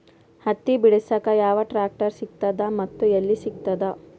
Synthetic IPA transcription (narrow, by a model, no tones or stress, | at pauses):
hɐt̪ːibiɽisɐkɐjaːʋɐʈɾaːk̚ʈɐɾsik̚t̪ɐd̪ɐmɐt̪ːuelːisik̚t̪ɐd̪ɐ